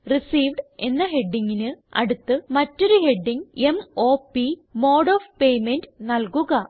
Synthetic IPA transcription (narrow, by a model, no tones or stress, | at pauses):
risiːʋɖe̞nːɐɦe̞ɖːiŋɡinɨɐ̰ɽut̪ːɨmɐtːo̞ɾuhe̞ɖːiŋe̞moːpimo̞ːɽoːʋpe̞jmendnɐlkuɣɐ